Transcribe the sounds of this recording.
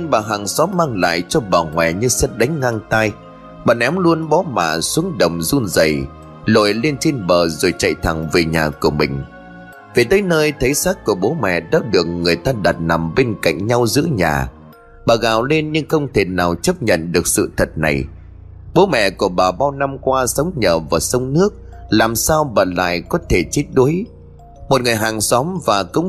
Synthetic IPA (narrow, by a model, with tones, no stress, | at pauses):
ɲɨ˧ŋɓaː˨˩ɦa˨˩ŋsɔ˨˦maː˧ŋla̰ː˧˨jt͡ɕɔ˧ɓaː˨˩ŋwɛ̰˨˩ɲɨ˧sə˦˥t̚ɗa˨˦ŋ̟ŋaː˧ŋt̪aː˧j | ɓaː˨˩nʔɛ˨˦mlu˧ənɓɔ˨˦ma̰ː˧˨su˨˦əŋɗə˨˩wŋ͡mzu˧nzə˨˩j | lo̰˧˨jle˧nt͡ɕe˧nɓəː˨˩zo˨˩jt͡ɕə̰˧˨jt̪ʰa˨˩ŋve˨˩ɲaː˨˩ku˧˩əmï˨˩ŋ̟ | ve˨˩t̪əː˨˦jnəː˧jt̪ʰə˨˦jsaː˦˥k̚ku˧˩əɓo˨˦mɛ̰˧˨ɗa̰ː˨˦˥ɗɨ˨˩ək̚ŋɨ˨˩əjt̪aː˧ɗa˨˩t̚na˨˩mɓe˧nka̰˧˨jŋ̟ɲa˧wzɨ̰˧˥əɲa̰ː˨˩ | ɓaː˨˩ɣaː˨˩wle˧nɲɨ˧ŋxə˧wŋ͡mt̪ʰe˨˩naː˨˩wt͡ɕə˦˥p̚ɲə̰˧˨nɗɨ˨˩ək̚sɨ̰˧˨t̪ʰə˨˩t̚na̰˨˩j | ɓo˨˦mɛ̰˧˨ku˧˩əɓaː˨˩ɓaː˧wna˧mkwaː˧sə˨˦wŋ͡mɲəː˨˩vaː˨˩sə˧wŋ͡mnɨ˦˥ək̚ | laː˨˩msaː˧wɓə̰ː˧˩la̰ː˧˨jkɔ˨˦t̪ʰe˧˩t͡ɕi˦˥t̚ɗu˨˦j | mo˨˩t̚ŋɨ˨˩əjɦaː˨˩ŋsɔ˨˦mvaː˨˩kə̰˧˥wŋ͡m